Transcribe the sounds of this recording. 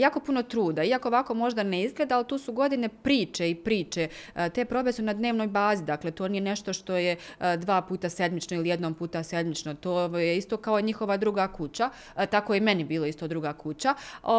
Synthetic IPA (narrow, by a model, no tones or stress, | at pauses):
jaːko̞puno̞t̪ɾuːd̪aiako̞oʋako̞mo̞ʒd̪aneizɡlˠed̪aalit̪uːsuɡo̞d̪ine̞pɾiːt͡ʃeipɾiːt͡ʃet̪e̞pɾo̞be̞sunad̪ne̞ːʋno̞ːjbaːzid̪aklet̪onije̞ne̞ʃt̪o̞ʃt̪o̞jed̪ʋaːpuːt̪ase̞d̪mit͡ʃnoilijed̪nompuːt̪ase̞d̪mit͡ʃnot̪oːjeist̪o̞kaoiɲixo̞ʋad̪ɾuɡakut͡ɕa | t̪ako̞jeme̞nibiːloist̪od̪ɾuɡakut͡ɕa